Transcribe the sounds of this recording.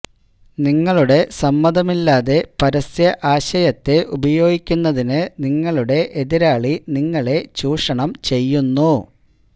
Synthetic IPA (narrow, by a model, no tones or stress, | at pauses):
niŋːɐɭuɽe̞sɐmːɐd̪ʱɐmilːaːðe̞pɐɾɐsjɐʔaːɕɐjɐt̪ːeʔubɐjo̞ːɡikʲːunːɐðinɨniŋːɐɭuɽe̞ʔeðiɾaːɭiniŋːɐɭe̞t͡ɕuːʂɐɳɐmt͡ɕe̞jːunːu